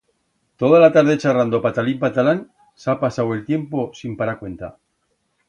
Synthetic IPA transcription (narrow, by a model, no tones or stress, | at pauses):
t̪o̞ð̞alat̪aɾð̞et͡ʃarand̪opat̪alimpat̪alan | sapasawe̞lt̪je̞mpo̞simpaɾakwe̞nt̪a̰